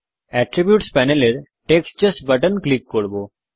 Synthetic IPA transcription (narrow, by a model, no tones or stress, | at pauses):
ɛʈɾibjuːʈspɛneleɾ | ʈekst͡ʃəsbəʈənklikːoɽbo